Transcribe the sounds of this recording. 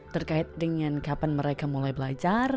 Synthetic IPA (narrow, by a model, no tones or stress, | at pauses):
t̪ərkaɪt̪̚dəŋankapanməɾekamulajbəlat͡ʃar